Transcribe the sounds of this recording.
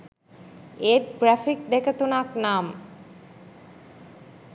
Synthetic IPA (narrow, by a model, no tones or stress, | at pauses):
et̪ɡɾæfik̚d̪ekət̪unaknaːm